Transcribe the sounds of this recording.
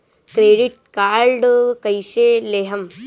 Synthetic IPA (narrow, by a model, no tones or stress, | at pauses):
kɾeːɖiʈ̚kaːɾɖkɐjʃeːleːɦɐm